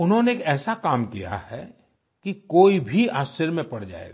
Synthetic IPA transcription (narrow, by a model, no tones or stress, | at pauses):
ʊnɦõneːkɛːsakaːmkija̰hɛ̰ | kikoːibʱiaːst͡ʃəɾmẽpɐɽd͡ʒa̰ːḛːɡaː